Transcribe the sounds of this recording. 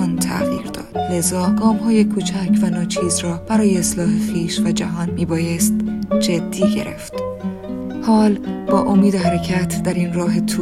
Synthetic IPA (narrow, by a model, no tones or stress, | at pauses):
nt̪ʰæ̰ʔɣḭːɾd̪ɒ̰ːd̪̥le̞zɒːɡɒːmhɒːjekʰuːt͡ʃʰæcʰvænɒːt͡ʃʰiːzrɒːb̥æɾɒːjeːslɒːhexiːʃvæd͡ʒæɦɒːnmiːbɒːjest̪d͡ʒed̪ːiːɟe̞̰ɾḛft̪ | hɒːlb̥ɒːʔomiːd̪eɦæɾe̞cʰæt̪ʰd̪æɾinrɒːɦet̪ʰu